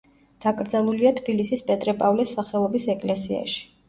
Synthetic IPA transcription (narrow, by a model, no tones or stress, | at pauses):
d̪̥akʼɾd̪zalˠuliat̪ʰbilisispʼɛt̪ʼɾɛpʼavlɛsːaχɛlˠɔbisɛkʼlɛsia̰ʃi̥